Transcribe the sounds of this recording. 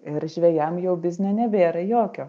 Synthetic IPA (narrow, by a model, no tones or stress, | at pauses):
ɪɾʒʲʋʲɛjɛmjɛʊbʲɪzʲnʲɛnʲɛʋʲeːɾɐjoːkʲoː